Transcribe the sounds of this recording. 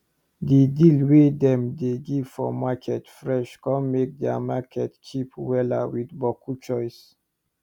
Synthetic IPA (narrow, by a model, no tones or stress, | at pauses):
didilwedɛ̃mdeɡiv̥fɔmakʰɛtfɹɛʃkɔ̃nmek̚dɛa̰makʰɛtkʰipwɛla̰widbɔkʰut͡ʃɔɪs